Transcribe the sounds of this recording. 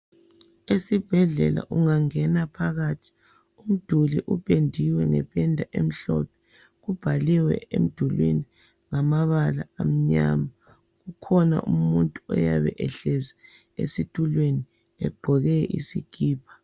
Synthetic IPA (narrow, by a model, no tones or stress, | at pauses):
esib̥ʱɛɮɛla̰ʔuŋaŋɛnapʰaɣatʰi̥ | um̩d̥ʱuliʔupʰʼendʱiwɛŋɛpʰʼɛndʱaʔem̩ɬɔ̰pʰɛ | ɣub̥ʱaliwɛ̰ḛm̩d̥ʱulwḛni | ŋamaβala̰am̩ɲa̰ma | ɣukʰɔna̰ʔumuntʼuɔ̰ja̰βɛ̰ʔɛɬɛza | ḛsitʼulweni | ɛɡ͡ǃʱɔɣɛʔḭsiɡ̥ʱiːpʰḁ